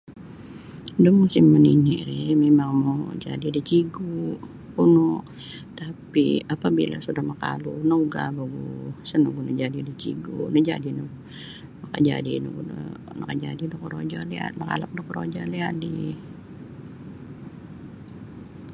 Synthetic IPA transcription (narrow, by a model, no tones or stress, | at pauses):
dəmusɪmːəniniɾɛmemaŋmod͡ʒadidit͡ʃiɡu | unɔ | t̪apḭapabila̰sudahməka̰lunəuɡa̰baɡusənoɡunəd͡ʒadidit͡ʃiɡunəd͡ʒa̰dinɔ | maka̰d͡ʒa̰dinṵɡuə̰ | nəkad͡ʒadidɔkəɾod͡ʒalia̰t̪nəka̰lak̚dɔkəɾo̰d͡ʒaliadi